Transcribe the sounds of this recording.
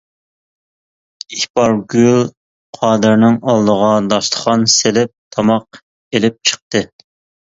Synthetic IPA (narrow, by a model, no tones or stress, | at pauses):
ihpɑɾɡʲyl | qʰɑːd̪ɨɾnɪŋɑlˠd̪əʁɑd̪ɑʃt̪ˠə̥χɑnselɪp̚t̪ʰɑmɑq | elɪp̚t͡ʃʰə̥q̚t̪ɨ